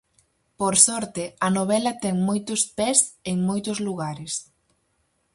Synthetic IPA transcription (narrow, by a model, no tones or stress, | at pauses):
poɾsɔɾt̪ɪɐnoβ̞ɛlɐt̪ɛŋmojt̪ʊspɛseŋmojt̪ʊzluɣaɾɪs